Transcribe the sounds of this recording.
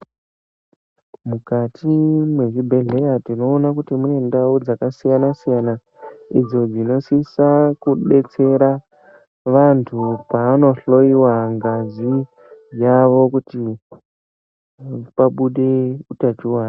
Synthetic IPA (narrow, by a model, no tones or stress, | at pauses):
mukatʰimwe̞ʐibʱe̞ɮe̞jatino̞ːnakutimunendaud͡zakasijanasijana | ḭd͡zo̞d͡zino̞sisakuɓe̞t͡se̞ɾa | ʋantʰupaːno̞ɬo̞iwaŋɡazi | jaʋo̞kuti | paɓuɗe̞utat͡ʃuwaːna